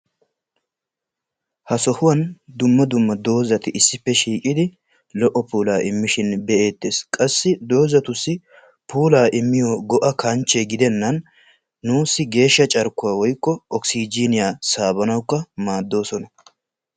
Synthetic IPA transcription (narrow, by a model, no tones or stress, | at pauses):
hɐsɔhʊwɐnd̪ʊmːɐd̪ʊmːɐd̪o̞ːzɐt̪ɪʔɪsːɪpːɛʃiːkʼɪd̪ɪ | lɔʔɔpuːlaːʔɪmːɪʃɪnbɛʔe̞ːt̪ːe̞ːskʼɐsːɪd̪o̞ːzɐt̪ʊsːɪ | pʰuːlaːʔɪmːɪjoːɡɔʔɐkɐnt͡ʃːeɡɪd̪ɛnːɐnː | uːsːɪɡe̞ːʃːɐt͡ʃʼɐɾkːʊwaːwɔjkːɔɔksid͡ʒiːnɪjaːsaːbɐnɐwkːɐmaːd̪ːo̞ːsɔnɐ